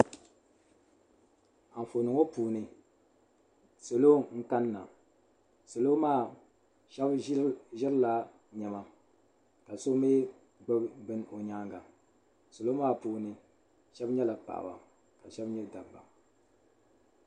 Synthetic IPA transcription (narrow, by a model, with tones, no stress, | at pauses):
a˨m˨fo˨nɨ˨ŋo˦puː˨nɨ˨ | so˨lo˦ŋ̩˦ka˦nːa̰˨ | so˨lo˦maː˦˨ | ɛ˦bʒɪ˦ɾɨ˦la˨ | ɲɛ˨ma˦ | ka˨so˦me˦ | ɡ͡bɨ˦bbɨ˦no˨ɲaː˦ŋɡa˨ | so˨lo˦maː˦˨puː˦nɨ˨ | ʃɛ˦bɲɛ˦la˨pa̰˨ʔa̰˨ba̰˨ | ka˨ʃɛ˦bɲɛ˦da˨bba˨